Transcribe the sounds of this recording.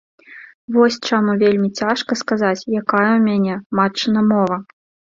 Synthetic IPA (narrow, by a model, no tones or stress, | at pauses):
vɔsʲt͡ʂamuvʲelʲmʲit͡sʲaʂkɐskazat͡sʲjakajɐwmʲanʲɛmat͡ʂɨnɐmɔvɐ